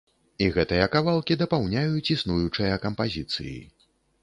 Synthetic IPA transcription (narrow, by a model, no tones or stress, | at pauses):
iɣɛt̪ɨjɐkavalˠkʲid̪ɐpawnʲajut͡sʲisnujut͡ʂɨjɐkɐmpazʲit̪sɨ̰jḭ